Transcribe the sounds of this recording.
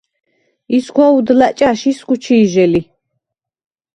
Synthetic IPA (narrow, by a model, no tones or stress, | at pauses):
iskʰwaud̪lat͡ʃʼaʃiskʼut͡ʃʰiːʒɛli